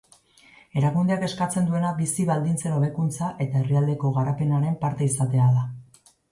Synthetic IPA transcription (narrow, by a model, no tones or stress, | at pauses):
e̞ɾaɣund̪eake̞skat͡se̞nd̪ue̞naβisiβald̪int͡se̞no̞β̞e̞kunt͡saʔe̞t̪ae̞riald̪e̞ko̞ɣ̞aɾape̞naɾe̞mpaɾt̪e̞isat̪e̞aða